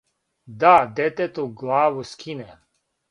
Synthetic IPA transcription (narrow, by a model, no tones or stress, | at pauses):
d̪ad̪ɛt̪et̪uɡlaːʋuskʰinɛ